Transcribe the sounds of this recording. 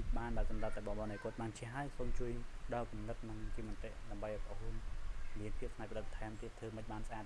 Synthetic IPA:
ɓaːnɓaəsɑmrət̪̚aːɛɓɑɓɑːnɗajkʊ̆ət̪̚ɓaːnt͡ɕʰɛɦaəjksoːmt͡ɕuəjɗɑːlkumnɨt̪̚nɨŋt͡ɕiːmɑnt̪eʔɗaəmɓəjʔɑpʔohunmiənpʰiəp̚sʰnaːc̚pəɗət̪̚t̪ʰaɛmt̪iət̪ʰːəːməc̚ɓaːnsʔaːt̪̚

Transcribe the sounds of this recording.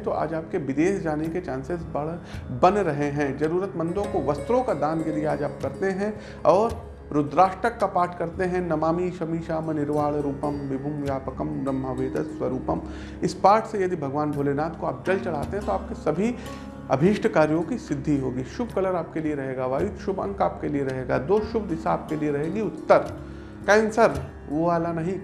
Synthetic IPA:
t̪oʔa̰ːd͡ʒaːpkeʋɪd̪eːsd͡ʒaːneket͡ʃãːnsɪsbɐɽbɐnɾɐɦeɦɛ̃d͡ʒɐɾuːɾət̪mɐ̃nd̪õkoʋɐst̪ɾõkad̪ãːnjɐd̪ieaːd͡ʒaːp̚kɐɾt̪eɦɛ̃ | ɔːɾ | ɾʊd̪ɾaːʃʈɾəkːapaːʈʰkɐɾt̪eɦɛ̃nɐmaːmiʃɐmiːʃaːmɐnɪɾʋaːɭɾuːpəmʋɪbʱʊmʋjaːpəkəmbɾɐmːəʋeːd̪əsʋɐɾuːpəm | ɪspaːɾʈsejɐd̪ibʱɐɡʋaːnbʱoːleːnaːt̪koaːp̚d͡ʒɐlt͡ʃɐɭ̤aːt̪eɦɛ̃t̪oaːp̚kesɐbʱi | ɐ̰bʱiːʃʈʰkaːɾijõkisɪd̪ʱːiɦoːɡiːʃʊbʱkɐləɾaːpkelieɾɐɦeːɡaʋaːjut̪ʃʊbɐ̰̃ŋkaːp̚kelieɾɐɦeːɡad̪oːʃʊbd̪ɪsaaːp̚kelieɾɐɦeːɡiʊt̪ːəɾ | kɛ̃ːnsəɾ | ʋoaːlanɐɦĩ

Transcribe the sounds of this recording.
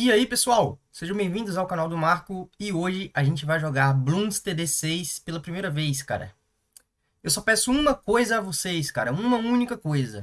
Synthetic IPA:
iaipesuawseʒɐ̃bẽj̃vĩnd̪ʊzawkanawd̪ʊmaɾkʊɪoʒɪʔaʒẽnt͡ʃɪvajʒoɡaɾblũst̪ed̪esejspelɐpɾimejɾɐvejska̰ɾɐ̰ | ewsɔpɛsʊũmɐkojzɐːvosejskaɾɐũmɐũnikɐkojzɐ̰

